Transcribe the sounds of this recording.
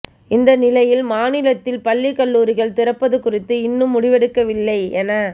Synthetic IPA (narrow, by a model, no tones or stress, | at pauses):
ɪnd̪ɐnɪlɐjɪlmaːnɪlɐt̪ːɪlpɐlːɪkɐɭːuːɾɪɣɐɭt̪ɪrɐpːɐðɯkːʊrɪt̪ːɯɪnːɯmːʊɽɪʋɛɽɯkːɐʋɪlːɐɪɛnɐ